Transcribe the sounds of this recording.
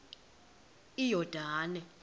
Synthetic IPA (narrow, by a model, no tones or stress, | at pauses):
ijɔd̥ʱaːnɛ